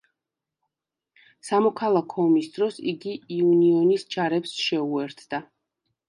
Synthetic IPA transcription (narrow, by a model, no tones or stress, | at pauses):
samɔkʰalˠakʰɔːmisd̪ɾɔsḭɡiiuniɔnisd͡ʒaɾɛpsʃɛuɛɾt̪ʰd̪̥a